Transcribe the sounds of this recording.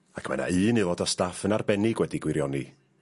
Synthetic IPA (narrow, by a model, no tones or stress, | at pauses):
akʰma̰na̰ɨːnɨlˠɔdɔstafənarbɛnɪɡwɛdiɡwɪɾjɔni